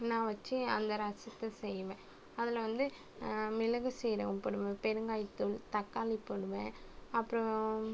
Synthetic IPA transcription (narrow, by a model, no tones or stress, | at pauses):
nãːʋɐt͡ʃːɯɐnd̪ɐɾɐsɐt̪ːɐsɛjʋẽː | ɐðɪlɐʋɐnd̪ɯ | mɪlɐɣɐsɛjɾɐ̃pɔɽɯʋẽpɛɾɯŋɡaːjt̪ːɯlt̪ɐkːaːlipːɐɽɯʋẽːɐpːɯɾɔ̃